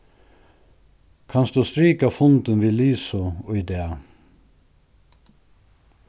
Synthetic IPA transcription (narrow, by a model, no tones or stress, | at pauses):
kʰɑnsd̪ʉːst̪ɾiːkɑfʊnd̪ənʋiːliːsʊɔʏd̪eːɑ